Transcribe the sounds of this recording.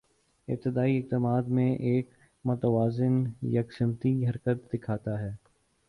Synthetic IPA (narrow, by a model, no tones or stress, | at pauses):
ɪ̰b̚t̪ɪd̪aːiɪk̚t̪əmaːd̪mẽʔeːk | mʊt̪əʋaːzɪnjɐksɪmt̪iɦɐɾkət̪̚d̪ɪkʰaːt̪aɦɛː